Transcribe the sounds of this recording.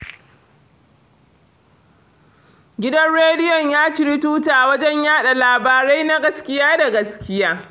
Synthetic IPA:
ɡʲɪ˦dɐ˦nɽeː˦dɪ˦jɔ˨ɲjaː˦t͡ʃɪ˨ɾɪ˦tuː˦taː˨wɐ˦d͡ʒɛ˦ɲjaː˦ɗa˨laː˨baː˨ɾa˦jna˦ɡɐ˦skʲɪ˦jaː˦da˨ɡɐ˦skʲɪ˦jaː˦

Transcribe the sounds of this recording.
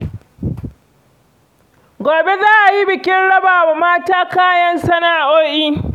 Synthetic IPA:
ɡʷoː˨be˦zaː˦ʔa˨ji˦bɪ˨kʲɪ˦nɽɐ˦baː˨wa˨maː˦taː˦kaː˦jɐ˦nsɐ˦naː˨ʔoː˦ʔiː˦

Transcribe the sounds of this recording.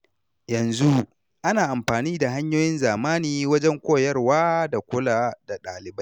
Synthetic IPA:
jɐ˨nzu˦ | ʔa˦naː˨ʔa˨mɸaː˨niː˦da˨ɦa˦ɲjoː˦jɪ˦nzaː˨maː˦niː˨wɐ˦d͡ʒɛ˦ŋkʷoː˦jɐ˦rwaː˦da˨kʷʊ˦laː˦˨da˨ɗaː˨lɪ˨bɐ˦j

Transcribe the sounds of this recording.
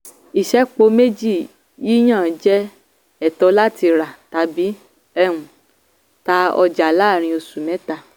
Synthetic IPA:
i˨ʃɛ˨˦k͡po˧me˦d͡ʒi˦˨ | ji˦j̃ã˦˨˦d͡ʒɛ˦ | ɛ˦˨tɔ˧la˦ti˧ɾa˨ta˨˧bi˨˦ | ɛ˦˧ɾ̃ũ˨ | ta˧˦ɔ̰˧d͡ʒa˨la˦˨ɾ̃ĩ˧o˧su˨mɛ̃˨˦ta˦˨

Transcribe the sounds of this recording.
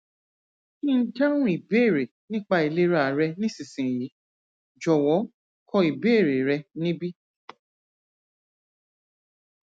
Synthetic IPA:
kĩ˦n̩˦d͡ʒa˦ɾ̃ũ˦i˨be˦˨ɾe˨ | nĩ˦k͡pa˧i˨le˦ɾa˦˨˦ɾɛ˧nĩ˦sĩ˨sĩ˨ji˨˦ | d͡ʒɔ˨wɔ˨˦ | kʰɔ˧i˨be˦˨ɾe˨ɾɛ˧nĩ˦bi˦

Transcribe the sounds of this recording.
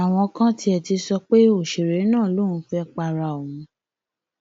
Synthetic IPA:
a˨w̃ɔ̃˧kã˦ti˧˦ɛ˧˨ti˧sɔ˧k͡pe˦o˦˨ʃe˨ɾe˨˦nãː˦˨lõ˦˨ũ˨˧˦fɛ˦k͡pa˧ɾa˧˨o˨wũ˨˦

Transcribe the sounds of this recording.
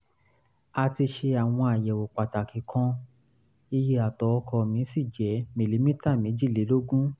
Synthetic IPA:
a˧ti˧ʃe˧a˨w̃ɔ̃˧a˨jɛ˨wo˨k͡pa˨ta˨kĩ˨kʰã˧ | i˧je˧a˨tɔ˨˦˧kʰɔ˧mĩ˨˦si˦˨d͡ʒɛ˨˦mi˨li˨˦mĩ˦ta˦˨mĩ˨˦d͡ʒi˦˨le˨˦lo˦ɡũ˦

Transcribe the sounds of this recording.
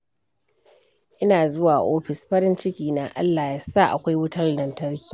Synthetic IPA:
ʔɪ˦naː˨zʊ˦waː˨ʔoː˦ɸɪ˨sɸɐ˦ɾɪ˦nt͡ʃɪ˦kʲiː˨na˨ʔa̰˦lːaː˨ja˦sa˦˨ʔa̰˨kʷa˦jwʊ˦tɐ˦rdɐ˨ntɐ˦ɽkʲi̥ː˨

